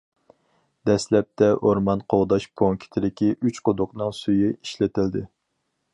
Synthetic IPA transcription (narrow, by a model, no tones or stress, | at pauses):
d̪ɛslɛp̚t̪ʰɛʔoɾmɑnqʰowd̪ɑʃpʰoŋkʲʰi̥t̪ʰɪd̪ɪkʲiʔyt͡ʃqod̪ʊqnɨŋsujiiʃlɪt̪ʰɪld̪ɪ